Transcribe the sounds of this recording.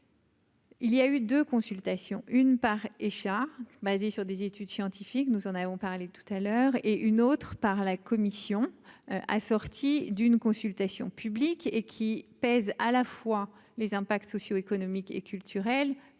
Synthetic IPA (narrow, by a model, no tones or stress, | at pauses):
ilijayd̪økɔ̃sylt̪asjɔ̰̃ʔynpaʁeʃabazesyʁd̪ezet̪ʰyd̪sjɑ̃t̪ifiknuzɑ̃navɔ̃paʁlet̪u̥t̪alœːʁeʔynot̪χpaʁlakɔmisjɔ̃ʔa̰sɔʁt̪ʰid̪ynkɔ̃sylt̪asjɔ̰̃pʰyblikekʲʰipɛzalafwa | lezɛ̃pak̚t̪sɔsjoekɔnɔmikḛkʰʲylt̪ʰyʁɛl